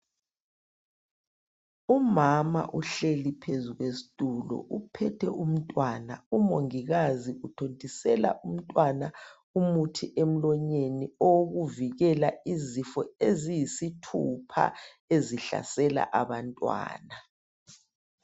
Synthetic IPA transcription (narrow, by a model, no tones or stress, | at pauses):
umama̰ʔuɬelipʰezuɣwesi̥tʼulɔ̰ʔupʰɛtʰɛum̩tʼwana̰umoŋiɣaziutʰontʼisɛla̰ʔum̩tʼwana | umutʰiʔem̩lɔɲeniɔwoɣuviɣɛlaizifɔezijisitʰupʰa̰ | eziɬa̰sɛla̰ʔaβantʼwa̰ːna